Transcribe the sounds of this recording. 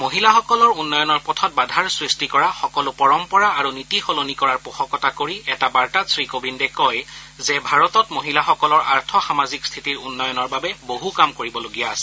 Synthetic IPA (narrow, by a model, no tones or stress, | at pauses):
moɦilaxɔkɔlɔɹunːɔjɔnɔɹpɔtʰɔt̚badʱaɹsɹistikɔɹaxɔkɔlʊpɔɹɔmpɔɹaːɹunitixolonikɔɹaɹpɔxɔkɔtakoɹiɛtabaɹtasɹikobindɛkɔj | zɛbʱaɹɔtɔtmoɦilaxɔkɔlɔɹa̰ɹtʰɔxamazikst̪ʰitiɹunːɔjɔnɔɹbabɛboɦukamkoɹibɔloɡijaːsɛ